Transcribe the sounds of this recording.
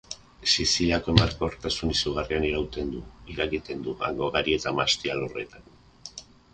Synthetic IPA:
sisiʎako̞e̞maɾko̞oɾt̪asunisuɣ̞arianiɾawt̪e̞nd̪uiɾeɣit̪e̞nd̪uɣa̰ŋɡo̞ɣaɾie̞t̪amast̪ialo̞re̞̰t̪an

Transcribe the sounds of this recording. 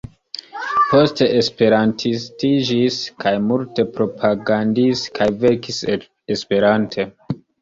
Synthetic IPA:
po̞ste̞ʔespe̞ɾantʰistid͡ʒiskʰajmulte̞pɾo̞pʰaɡandiskʰajve̞kis | espe̞ɾantʰe̞

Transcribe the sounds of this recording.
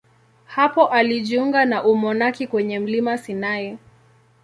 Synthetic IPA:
hapɔʔaliʄiuŋɡanaʔumɔnakikwɛɲɛm̩limasinajɛ

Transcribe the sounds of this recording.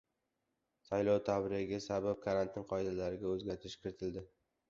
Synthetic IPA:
sajlɒwt̪ʰabɾɪɡʲɪsabap̚kʰaɾant̪ʰɪnqʰɒjd̪alaɾɪɡʲaɵzɡʲaɾt̪ʰɪʃkʲʰɪɾɪt̪ʰɪld̪ɪ

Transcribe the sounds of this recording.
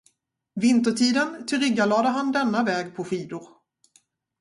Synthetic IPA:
vɪnt̪əʈʰiːd̪ənt̪ʰʏɾɪɡːalɑːd̪əɦand̪ɛnːavɛːɡpʰɔɧiːd̪ʊɾ

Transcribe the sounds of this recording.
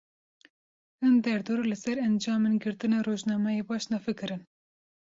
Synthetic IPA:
ɨnd̪ɛɾd̪oːɾulɨsɛɾɛnd͡ʒɑːmeːnɡɨɾt̪ɨnɑːroːʒnɑːmɑjeːbɑːʃnɑfɨkɨɾɨn

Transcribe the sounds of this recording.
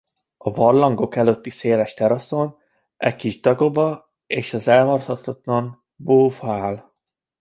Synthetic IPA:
ɒvɒrlɒŋɡo̞kɛløt̪ːiseːlɛʃt̪ɛɾɒso̞n | ʔɛckːiʒd̪ɒɡo̞bɒ | eːʃɒzɛlɦɒrt̪hɒt̪ʰɒt̪lɒn | boːvaːl

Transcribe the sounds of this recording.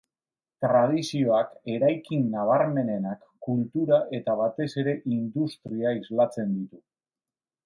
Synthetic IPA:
t̪ɾað̞isio̞ake̞ɾajkinːaβ̞aɾme̞ne̞nakːult̪uɾaʔe̞t̪aβ̞at̪e̞se̞ɾe̞ʔind̪ust̪ɾiaizlat͡se̞nd̪it̪u

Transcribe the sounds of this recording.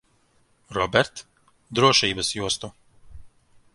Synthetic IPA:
rɔbɛɾt̪ | d̪ɾoːʃɛjibəsjuːst̪o

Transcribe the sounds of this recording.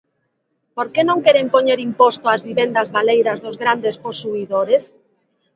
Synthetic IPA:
poɾkenõŋkeɾempoɲeɾimpost̪oazβiβend̪ɐzβalejɾɐzðozɣɾand̪esposuiðoɾes

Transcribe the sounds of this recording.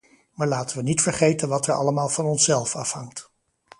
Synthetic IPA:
maːɹlaːtənʋənitfəɹχejtənʋɑtɛɹɑ̰ləmaːlˠvɑnɔnsɛlˠfɑfhɑŋt

